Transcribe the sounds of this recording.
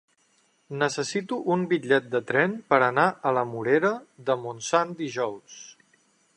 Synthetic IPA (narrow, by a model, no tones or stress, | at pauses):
nəsəsit̪uʔumbiʎɛt̪̚d̪ət̪ɾɛnpəɾənaʔələmuɾeɾəðəmunsand̪iʒɔws